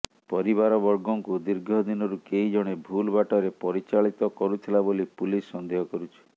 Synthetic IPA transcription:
pɔɾibaɾɔbɔɾɡɔŋkud̪iɾɡʱɔd̪inɔɾukeɦid͡ʒɔɽ̃ebʱulbaʈɔɾepɔɾit͡ʃaɭit̪ɔkɔɾut̪ʰilabolipulisːɔnd̪ʱeɦɔkɔɾut͡ʃʰi̥

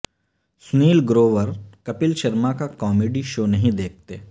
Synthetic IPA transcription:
sʊniːlɡɾoːʋəɾkɐpɪlʃɐɾmakakɔːmeːɖiʃoːnɐɦĩd̪eːk̚ʰt̪eː

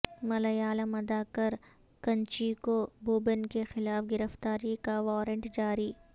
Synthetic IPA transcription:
mɐlɐjaːləmɐd̪akɐɾ | kɐ̃nt͡ʃiːkobuːbənkexɪlaːfɡɪɾəft̪aːɾikaʋɔːɾə̃ɳʈd͡ʒaːɾiː

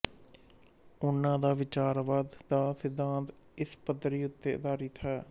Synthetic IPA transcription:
ʊnːãːd̪aːʋɪt͡ʃaːɾʋaːd̪ːaːsɪd̪ːãːnt̪ | ɪspəd̪ɾiːʊt̪ːeːʊ̰d̪aːɾiːt̪ʰaː

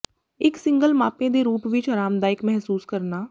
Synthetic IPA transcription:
ɪksɪ̃ŋɡəlmaːpẽd̪eːɾuːpʋɪt͡ʃəɾaːmd̪aːɪkmɛɦsuːskəɾnaː

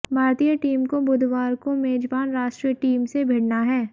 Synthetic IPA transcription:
bʱaːɾt̪ijəʈiːmkobʊd̪ʱʋaːɾkomeːd͡ʒbaːnɾaːʃʈɾijəʈiːmsebʱeːɽnaɦɛː

